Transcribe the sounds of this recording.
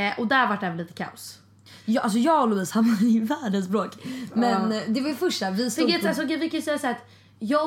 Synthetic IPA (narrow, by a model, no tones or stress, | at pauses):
ʔɔd̪æɾvaʈːɛːvɛlliːt̪ə̥kʰa̰ʊs | jʔals̬ɔjɑːɡɔlʊviːshanvad̪væːɖənsbɾoːkmɛnd̪ɛvajʏfœʂʈafvɪsɪɡveɛt̪als̬ɔkɛvɪkʰanjʏsɛjːasæːɾat̪ | jɑː